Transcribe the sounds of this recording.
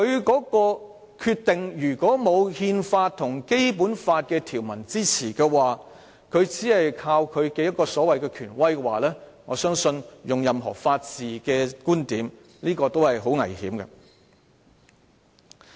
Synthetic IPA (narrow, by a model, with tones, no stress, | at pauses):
kʰɵ˨˧ɥkɔː˨˥kɔː˧ | kʰyː˧t̪ɪ˨ŋjyː˨˩kɔː˨˥mo˨˧whiː˧nfaː˧t̚t̪ʰʊ˨˩ŋke˥jpuː˨˥nfaː˧t̚kɛː˧t̪ʰiː˨˩wmɐ˨˩nt͡siː˥t͡sʰiː˨˩kɛː˧waː˨ | kʰɵ˨˧ɥt͡siː˨˥hɐ˨jkʰaː˧wkʰɵ˨˧ɥkɛː˧jɐ˥t̚kːɔː˧sɔː˨˥wɐ˨jkɛː˧kʰyː˨˩nwɐ˥jkɛ˧waː˨lɛː˥ŋɔː˨˧sœː˥ŋsɵ˧njʊ˨ŋjɐ˨mɦɔ̰ː˨˩faː˧t̚t͡siː˨kɛː˧kuː˥nt̪iː˨˥m | liː˥kɔː˧t̪o˥whɐ˨jɦo˨˥wŋɐ̰˨˩jhiː˨˥mkɛ̰˧